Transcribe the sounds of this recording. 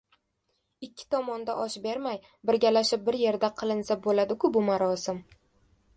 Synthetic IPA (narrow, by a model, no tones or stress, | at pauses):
ɪkʲʰːɪ̥t̪ʰɒmɒnd̪aʔɒʃbeɾmaj | bɪɾɡʲalaʃɪp̚bɪɾje̞ɾd̪aqʰɨlˠɪnsabolad̪ɪkʰʊbʊmaɾɒsɪm